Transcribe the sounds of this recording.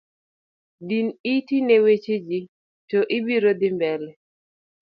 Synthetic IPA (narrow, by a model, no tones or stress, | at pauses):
dinitinewet͡ʃed͡ʒi | tɔʔɪbiɾod̪ɪmbɛlɛ